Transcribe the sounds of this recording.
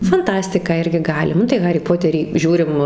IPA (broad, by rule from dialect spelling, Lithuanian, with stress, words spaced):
fɐnˈtɑːsʲtʲɪkɑː ˈɪrʲɡʲɪ ˈɡɑːlʲɪ ˈnʊ tɐɪ ˈɣɑːrʲiː ˈpoːtʲɛrʲiː ˈʒʲuːrʲɪm